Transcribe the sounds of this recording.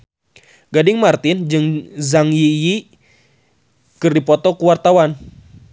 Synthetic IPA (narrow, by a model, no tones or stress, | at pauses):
ɡadɪŋmart̪ɪnd͡ʒɨŋzaŋjiji | kɨrdipɔt̪ɔkuwart̪awan